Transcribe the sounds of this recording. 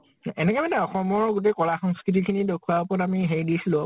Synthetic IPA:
ɛnɛkɛmanɛɔxɔmɔɹɡut̬ekɔɹaxɔŋskɹit̬ikʰinidokʰuwaɔpɔtamiɦeɹidisilʊ̃

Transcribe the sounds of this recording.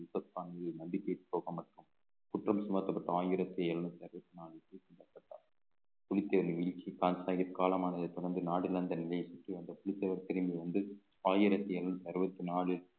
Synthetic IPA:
ɪsɐkːaːnɐðɯnɐnɖɪkːɐpːoːɣɐmɐʈrɯm | kʊʈrɐmsʊmɐt̪ːɐpːɐʈːɐaːjɪɾɐt̪ːɪjɐɛlɐnɐt̪ːɐɾɯbɐt̪ːɯnaːɭɪlpiːsɪnd̪ɐpːɐʈːaː | pʊlɪt̪ːɐʋɐɾʋɪlt͡ʃːikaːnsaːɣɐtkaːlɐmaːnɐðɐɪt̪ːɔɾɐnd̪ɯnaːɽɪlɐnd̪ɐnɪlɐjɐsʊʈriɐnd̪ɐpʊɭɪt̪ːɐʋɐɾt̪ɛɾɯmbiʋɐnd̪ɯ | aːjɪɾɐt̪ːɐɛlɐnɐt̪ːɐɾɯbɐt̪ːɯnaːɭɪl

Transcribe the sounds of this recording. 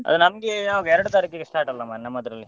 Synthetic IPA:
ɐ̰d̪unɐmɐɡeaoɡɛɾɐɽut̪aːɾikːiɡesʈaːɾʈɐlːɐmannɐmːɐd̪ɾɐlːi

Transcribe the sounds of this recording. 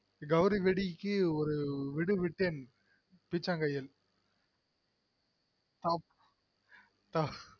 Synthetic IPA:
ɡɐʋɾiʋɛɽikːɯɔɾɯʋɪɽɯʋɪʈːen | pit͡ʃːaːŋɡɐjɪl | t̪ap̚ | t̪ɐ

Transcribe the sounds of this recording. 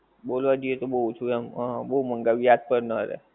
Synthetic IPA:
bolʋad͡ʒəjet̪obəɦut͡ʃʰuɛmɦə̃bəɦuməŋɡaʋijad̪̚pəɾnəɾɛ̰

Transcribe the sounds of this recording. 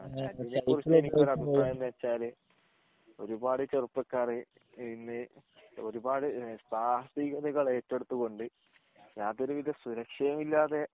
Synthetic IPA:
ɐaninːkurɨt͡ɕːenikʲːoːɾɐbʱipːraːjɐmd̪ɨɐt͡ɕːaːlɨ | o̞ɾubaːɽɨt͡ɕerupːɐkːaːrɨ | inːɨo̞ɾubaːɽɨst̪ʰaːsiɣɐðiɣɐɭeːtːe̞ɽut̪ːuɣo̞ɳɖɨ | jaːd̪oɾuʋiðjɐsuɾɐkʂɐjɐmilːaːðe̞

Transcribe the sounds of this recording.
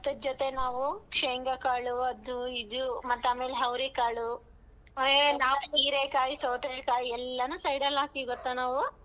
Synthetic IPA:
ɐt̪ːɐd͡ʒɔt̪e̞naːʋukʂeːŋɡɐkaːɭuɐd̪uid̪umɐt̪ːaːme̞ːleɦɐwɾikaːɭu | oenaːʋuniːɾeːkaːjisoːʈ̪ɐd͡ʒkaːjiɛlːɐnusɐjɽɐlaːkiɡɔt̪ːanaːʋu

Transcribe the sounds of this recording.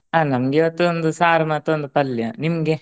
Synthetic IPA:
aːnɐmɐɡiʋɐt̪ːuond̪usaːɾɐmɐt̪ːuond̪upɐljanimɡe

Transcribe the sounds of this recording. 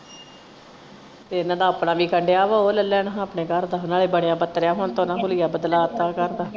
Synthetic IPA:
t̪eːɪnãːd̪aːəpɽaːʋiːkəɳɖejaːʋaːoːləlːɛːnãəpɳeːkəɾd̪aːɦʊnaːleːbəɽejãːbət̪ɾejaːɦʊɳt̪õːnãːkʊlijaːbəd̪laːt̪aːkəɾd̪aː

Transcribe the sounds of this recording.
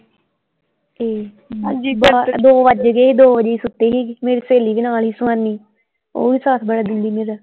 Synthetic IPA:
eː | bad̪oːʋəd͡ʒɡeːiːd̪oːʋəd͡ʒeiːsʊt̪ːeːɦiːɡːmeːɾiːseːliːbinaːlɦiːsʊãnːiː | o̰ːʋiːsaːt̪ʰbəɽaːd̪ɪnd̪iːmeːɾaː

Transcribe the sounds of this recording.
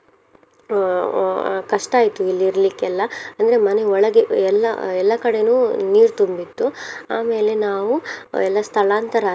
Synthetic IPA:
kɐʂʈaːjit̪uilːiɾɐlikːɛlːɐɐnd̪ɐɾe̞mɐne̞ɔɭɐɡeɛlːɐ̰ɛlːɐkɐɽe̞nuːniːɾt̪umbit̪ːuaːme̞ːle̞naːʋuɛlːɐst̪ʰɐɭaːnt̪ɐɾaː

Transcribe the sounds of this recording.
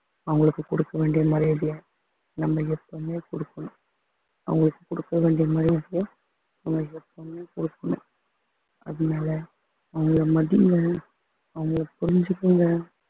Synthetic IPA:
ɐʋɐŋɡɐɭɯkːɯkɔɽɯkːɐʋeːɳɖɪjɐmaːd̪ɾiɐðɪjaː | nɐmːɐɛpːomeːkɔɽɯkːɐɳʊ̃ | ɐ̰ʋʊŋɡɐɭɯkːɯ̥kɔɽɯkːɐʋeːɳɖɪjɐmaːd̪ɾiɐɽɪja | ɐʋɐŋɡɐɭɛpːomeːkɔɽɯkːɐɳʊ̰̃ | ɐ̰ðɯnaːlɐ | ɐʋɐŋɡɐɭɐmɐðɪŋɡɐ | ɐʋɐŋɡɐɭɐpʊɾɪɲd͡ʒɯkːɯŋɡɐ

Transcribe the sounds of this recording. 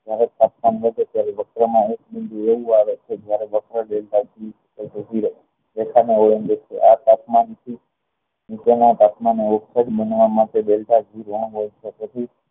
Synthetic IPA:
d͡ʒjaɾet̪at̪̚manɦəd͡ʒ̪et̪jaɾeʋək̚ʰɾəmãek̚mɪnd̪ueʋũaʋet͡ʃʰed͡ʒjaɾeʋəkʰɾəɖelʈad͡ʒʱiɾ | əd͡ʒəd͡ʒʱiɾ | ʋekʰaneoɭənd͡ʒet͡ʃʰḛʔat̪at̪mant̪ʰi | nit͡ʃenãt̪at̪maneoksəɖbənʋamaʈeɗelʈad͡ʒʱiɾʋãɦojt͡ʃʰet̪ət͡ʃʰi

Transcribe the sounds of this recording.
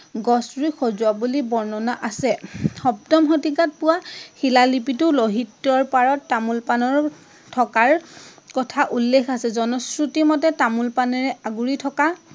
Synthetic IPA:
ɡɔsɹixɔzʊabulibɔɹnɔnaʔasɛxɔp̚tɔmxɔtikat̚pʊwaxilalipitʊloɦitːɔɹpaɹɔtːamulpanɔɹ | tʰɔkaɹkɔtʰaʔulːekʰasɛzɔnɔskɹutimɔtɛtamulpanɛɹɛʔaɡuɹitʰɔka

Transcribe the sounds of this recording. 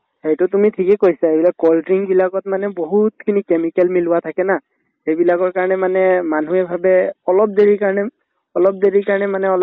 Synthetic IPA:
xejtʊtumitʰikɛkojsaebilakɔltɹiŋbilaɡɔtmanɛboɦutkʰinikemikɛlmilʊwatʰakɛna | xejbilaɡɔɹkaɹɔnɛmanɛman̤uɛbʱabɛɔlɔp̚deɹikaɹɔnɛ | ɔlɔp̚deɹikaɹɔnɛmanɛɔl

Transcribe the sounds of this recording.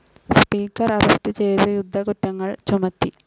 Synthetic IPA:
spiːkːɐrɐɾɐst̪ɨt͡ɕe̞jt̪ɨjud̪ʱːɐkutːɐŋːɐɭt͡ɕumɐt̪ːi

